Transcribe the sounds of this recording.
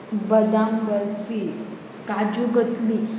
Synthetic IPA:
bəd̪amdəɾfi | kad͡ʑuɡət̪li

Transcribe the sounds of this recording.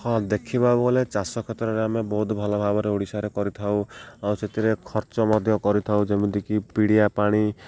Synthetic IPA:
hɔ̃d̪ekʰibabɔɔlet͡ʃasɔkʰet̪ɔɾɔɾeamebɔɦut̪bʱɔlabʱabɔɾeoɽisaɾekɔɾit̪ʰawawset̪ʰiɾekʰɔɾt͡ʃɔmɔd̪ʱjɔkɔɾit̪ʰawd͡ʒemunt̪ikipiɽijapaɽ̃i

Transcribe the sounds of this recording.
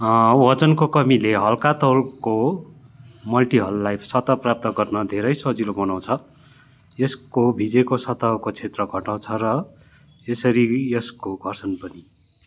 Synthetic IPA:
wʌt͡sʌnkokʌmileɦʌlkat̪ʌwlko | mʌlʈiɦʌluːajsʌt̪aprap̚t̪ʌɡʌrnʌd̪ʱeɾʌjsʌd͡zilobʌnaw̃t͡sʰʌ | eskobʱid͡zekosʌt̪akot͡sʰet̪rʌɡʱʌʈaw̃t͡sʰʌɾʌ | esʌɾiʌskoɡʱʌrsʌnpʌni

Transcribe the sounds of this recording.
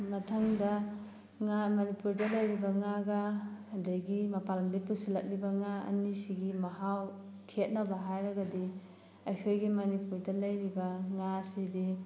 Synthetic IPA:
mɐtʰɐŋdɐ | ŋamɐnipuɾdɐlɐjɾibɐŋaɡɐɐdɐjɡimɐpalɐmlipusilɐk̚libɐŋaɐ̰nisiɡimɐɦaw | kʰet̚nɐbɐɦajɾɐɡɐdi | ɐjkʰojɡimɐnipuɾdɐlɐjɾibɐŋasidi

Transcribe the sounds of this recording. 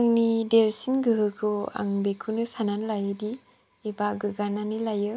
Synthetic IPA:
ŋnideɾsinɡɯɦɯkʰɯa̰ŋbekʰunɯsananlajɯdi | ebaɡɯɡananilajɯ

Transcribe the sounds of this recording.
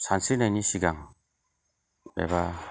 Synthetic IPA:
sansɯnajnisiɡaŋ | bḛba

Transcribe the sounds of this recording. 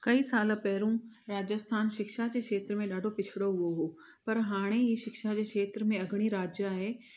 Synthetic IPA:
kɐiːsaːlpɛɦɪɾũ | ɾaːd͡ʑəst̪ʰaːnʃɪkʃad͡ʑeːkʃeːt̪ɾəmẽɗaːɖʱopɪt͡ɕʰɪɽoɦʊoɦoː | pɐɾɦaːɽ̃eiːʃɪkʃad͡ʑeːkʰeːt̪ɾəmẽɐɡʱɪɽ̃iɾaːd͡ʑjaɦeː

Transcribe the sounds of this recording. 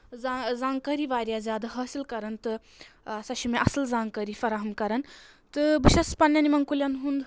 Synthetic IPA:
zazãːŋkɐɾiʋaːɾjazjaːd̪aɦɐːsilkɐɾɐnt̪ɨ | ɐsɐʃimeʔɐsɐlzãːŋkɐɾifɐɾaːɦɐmkɐɾɐn | t̪ɨbiʃespɐnːjɐnimɐŋkuljanɦund̪

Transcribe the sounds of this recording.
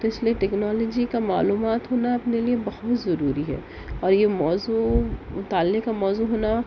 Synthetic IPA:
t̪oɪslieʈɛːknɔːlɔːd͡ʒikamaːluːmaːt̪ɦoːnaɐpneliebɐhʊt̪zɐɾuːɾiɦɛ̰ː | ɔːɾjemɔːzut̪aːlːekamɔːzuɦoːna

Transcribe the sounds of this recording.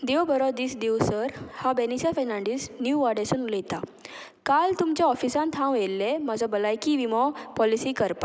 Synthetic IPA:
d̪eʋbʱəɾɔd̪iːsd̪ewsəɾhabenisafɛnãɳɖiːsnjuʋaɽesənuləjt̪a | kalt̪umt͡ɕjaɔfisãnt̪ʰãwelːemad͡zʱɔbəlajkiʋimɔpɔlisiːkəɾpa

